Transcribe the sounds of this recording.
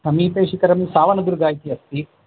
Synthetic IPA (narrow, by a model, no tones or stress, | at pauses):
sɐmiːpeːʂikɐɾɐmisaːʋɐnɐd̪uɾɡaːjit̪iɐst̪i